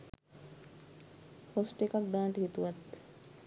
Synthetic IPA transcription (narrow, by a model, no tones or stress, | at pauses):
hosʈekak̚d̪aːʈɦit̪uʋɐt̪